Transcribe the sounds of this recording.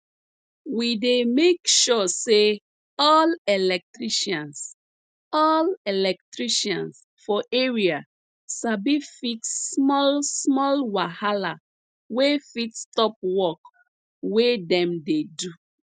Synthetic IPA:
widemekʃɔse | ɔlelɛk̚tɹiʃɔ̃ns | ɔlelɛk̚tɹiʃɔ̃ns | fɔʔeɹia | sabifitːmɔlsmɔlwahala | wefitstɔp̚wɔk | wedɛ̃mdedu

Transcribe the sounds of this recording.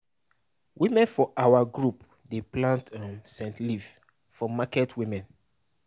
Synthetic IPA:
wimɛ̃nfɔʔawaɡɹup | deplãntãmsɛ̃ntliv | fɔmakɛtwĩmɛ̃n

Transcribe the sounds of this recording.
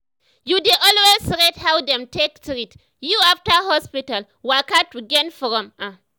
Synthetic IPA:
judeʔɔlwessɹethawdɛ̃mtʰektɹit | juaftahɔspital | wakatwiɡɛ̃nfɔɹɔ̃mã

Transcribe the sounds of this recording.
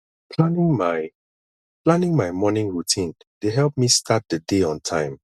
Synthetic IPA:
pʰlanɪ̃ŋmaɪ | pʰlãnɪ̃ŋmajmɔnɪ̃ŋɹutʰĩn | d̥eɦɛlˠp̚mistʰat̚dədeɔ̃ntʰãɪ̃m

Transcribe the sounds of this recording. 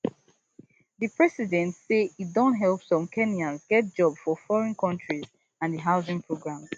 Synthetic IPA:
ðɨpɹɛsidɛ̃ntseit̚dõntɦɛlˠpsɔ̃mkʰɛniãnzɡɛt̚d͡ʒɔbfɔfɔɹɛ̃nkʰɔ̃ntɹiz | ãnðəɦaʊzɪ̃ŋpʰɹoɡɹãmz

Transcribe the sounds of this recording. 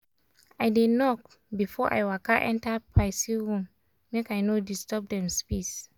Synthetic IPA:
aɪdenɔk | bifɔʔa̰jwakʰaʔɛ̰̃ntapʰaɪsihũmː | ekaɪnodistɔb̚dɛ̃mspis

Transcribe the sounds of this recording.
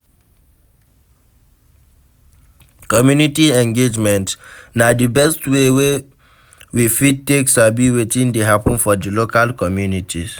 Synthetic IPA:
kɔmjunitiɛ̃ŋɡed͡ʒmɛ̃ntnadibɛstwewe | wifit̚teksabiwetĩndeɦapɔ̃nfɔdilokalkɔmjunitʰi

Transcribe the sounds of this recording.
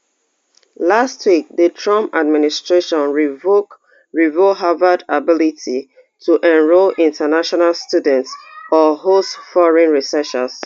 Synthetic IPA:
lastʰwik̚ðətʰɹɔ̃mad̚ministɹeʃɔ̃nɹ | ɹivoɦavədabɪliti | tʰuʔɛ̃nɹolĩntʰənaʃɔnalstjudɛ̃ntsɔhosfɔɹɛ̃nɹisɛʃə̰s

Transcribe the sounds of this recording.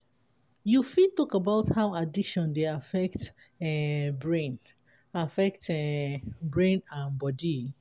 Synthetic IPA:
jufidtɔkabaʊthaʊadiʃɔ̃ndeafɛk̚t | ɛbɹẽn | afɛktɛbɹẽnãnbɔdi

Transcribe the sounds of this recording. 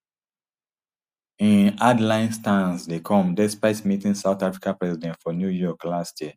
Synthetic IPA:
ĩnadlãɪ̃nstãnsdekʰɔ̃mdɛspaɪtmitĩŋsaʊtafɹikãpɹɛzidɛ̃ntfɔnjujɔklastʰjiə

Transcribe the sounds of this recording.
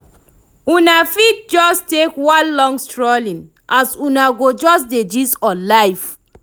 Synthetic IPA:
ũnafid̚d͡ʒɔstekwãnlɔ̃ŋɡstɹɔlĩn | ʔasũnaɡod͡ʒɔsded͡ʒisɔlaɪf

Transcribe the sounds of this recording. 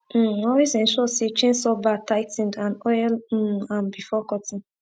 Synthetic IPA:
ɔlwezɛ̃nʃɔset͡ʃẽnsɔbataɪtĩndãnɔjl̩ãnbifɔkɔtĩn

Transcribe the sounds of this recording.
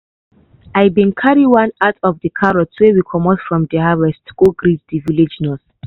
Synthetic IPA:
ajbĩnkʰaɹiwãnatɔvdəkʰaɹɔtwewikʰɔmɔtfɹɔ̃mdəhavɛstɡ̥oɡɹizdiviled͡ʒnɔs

